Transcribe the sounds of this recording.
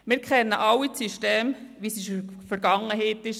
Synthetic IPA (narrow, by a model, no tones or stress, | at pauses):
mɪɾkχɛnːəʔɑwit͡syʃteːmʋisiʃfəɾɡɑŋːəɦeɪt̪ɪʃ